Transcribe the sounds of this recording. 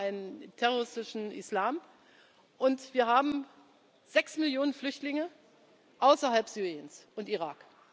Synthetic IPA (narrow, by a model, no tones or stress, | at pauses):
ʔaɪnəntʰɛʁoʁɪstɪʃn̩ʔɪ̰slaːm | ʔʊntv̥iːɐɦaːbm̩ | z̥ɛksmɪljoːnənflʏçtlɪŋə | ʔaʊsɐɦalpz̥yːʁiənsʔʊntiʁaːk